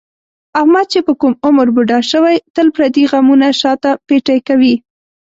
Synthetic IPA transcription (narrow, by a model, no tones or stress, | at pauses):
ahmad̪̚t͡ʃepəkumʊməɾbuɖɑʃəwajt̪əlpɾad̪iɣamunaʃɑt̪apeʈajkawi